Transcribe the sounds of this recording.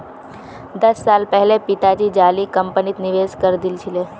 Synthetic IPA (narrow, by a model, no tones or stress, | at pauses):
d̪əsːalpəɦɛlepit̪ad͡ʒid͡ʒalikəmpənit̪niʋeskəɾd̪ilt͡ʃʰile